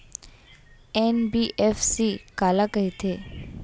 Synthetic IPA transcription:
enbiʔefsikaːlakəɦit̪ʰe

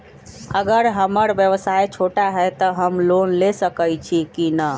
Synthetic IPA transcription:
əɡəɾɦəməɾbjəʋsajt͡ʃʰoʈaɦɛt̪əɦəmlonlesəkəjt͡ʃʰikinə

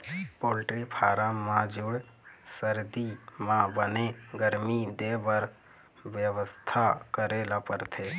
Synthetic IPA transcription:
poːlʈɾipʰaːɾãmãd͡ʒʊɽ | səɾd̪imãbəneɡəɾmid̪eːbəɾ | ʋjəʋəst̪ʰakəɾeːlapəɾt̪ʰeː

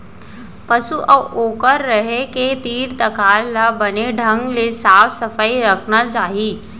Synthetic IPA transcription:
pəsuʔəoːkəɾːəɦeket̪iːɾt̪ɐkaːllabɐneɖʱə̃ŋɡlesaːfsɐfaiɾɐkʰnat͡ʃaːɦiː

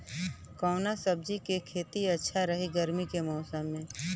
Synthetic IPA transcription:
kɔːnasəb̚d͡ʒikekʰeːt̪iɐtːʃʰaɾɐɦiɡəɾmikemɔːsəmːẽː

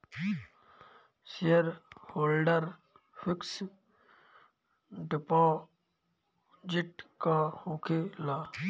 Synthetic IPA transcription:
sijəɾhoːlɖəɾ | fɪks | ɖɪpãː | d͡ʒɪʈkãːhõːkʰelaː

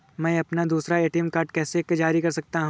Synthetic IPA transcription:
mɛ̃ːɐpnad̪uːsɾaeːʈiɛmkaːɾʈ̚kɛːsekd͡ʒaːɾikɐɾsɐk̚t̪aɦũ

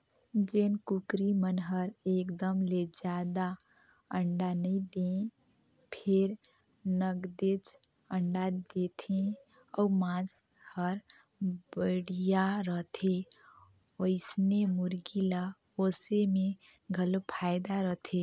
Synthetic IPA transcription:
d͡ʒenkukɾimənɦəɾekd̪əmled͡ʒad̪a | əɳɖanəid̪ẽ | pʰeɾ | nəɡd̪et͡ʃ | əɳɖad̪et̪ʰẽ | ɔumãs | həɾ | bəɽijaɾəɦt̪ʰe | oɪsnemuɾɡila | osemẽ | ɡʱəlopʰajd̪aɾəɦt̪ʰe

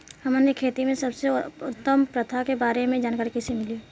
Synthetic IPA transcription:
hɐmənekʰeːt̪imẽsɐbseʊt̪ːəmpɾɐt̪ʰakebaːɾemẽd͡ʒaːnkaɾkɪsemɪli

